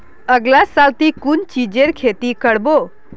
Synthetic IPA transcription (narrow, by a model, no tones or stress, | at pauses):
əɡlasalt̪ikunt͡ʃid͡ʒeɾkʰet̪ikəɽbo